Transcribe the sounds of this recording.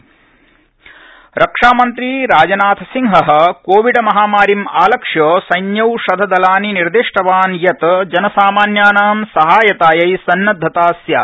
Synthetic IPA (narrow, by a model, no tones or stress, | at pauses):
ɾʔɐkʂaːmɐnt̪ɾiɾaːd͡ʒɐnaːt̪ʰɐsiŋɦɐɦɐ̆koːʋiɖɐmɐɦaːmaːɾimaːlɐkʂjoːsɐjnjɐwʃɐd̪ʱɐd̪ɐlaːniniɾd̪iʂʈɐʋaːnjɐt̪d͡ʒɐnɐsaːmaːnjaːnaːmsɐɦaːjɐt̪aːjɐjsɐnːɐd̪ʱːɐt̪aːsjaː